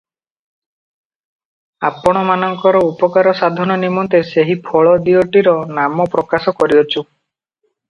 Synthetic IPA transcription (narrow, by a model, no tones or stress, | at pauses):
apɔɽ̃ɔmanɔŋkɔɾɔupɔkaɾɔsad̪ʱɔnɔnimɔnt̪eseɦipʰɔɭɔd̪ioʈiɾɔnamɔpɾɔkasɔkɔɾiɔt͡ʃʰu